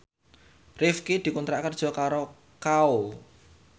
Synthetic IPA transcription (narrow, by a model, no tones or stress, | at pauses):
rɪfkid̪̥i̤kunt̪ɾaʔkərd̥ʒ̥ɔ̤kaɾo | kao